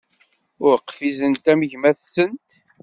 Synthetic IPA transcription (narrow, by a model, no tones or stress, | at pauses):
ʊɾəqfizənt̪æməʝmæθsənt̪